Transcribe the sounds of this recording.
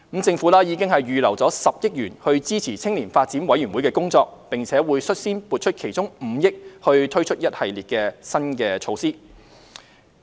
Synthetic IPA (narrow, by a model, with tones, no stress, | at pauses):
m̩˨˥t͡sɪ˧ŋfuː˨˥laː˥jiː˨˧˥kɪ˥ŋhɐ˨jɥyː˨lɐ˨˩wt͡sɔː˨˥sɐ˨p̚jɪ˥k̚jyː˨˩nhɵ˧ɥt͡siː˥t͡sʰiː˨˩t͡sʰɪ˥ŋliː˨˩nfaː˧t̚t͡siː˨˥nwɐ˨˥jy˨˩nwu˨˥jkɛː˧kʊ˥ŋt͡sɔː˧k̚pɪ˨ŋt͡sʰɛː˨˥wuː˨˧jsɵ˥t̚siː˥npuː˨˧t̚t͡ʃʰɵ˥t̚kʰe˨˩jt͡sʊ˥ŋm̩ː˨˧˦jɪ˥k̚hɵ˧ɥt̪ʰɵ˥ɥt͡ʃʰɵ˥t̚jɐ˥t̚hɐ˨jliː˨t̚kɛː˧sɐ˥nkɛː˧t͡ʃʰo˧wsiː˥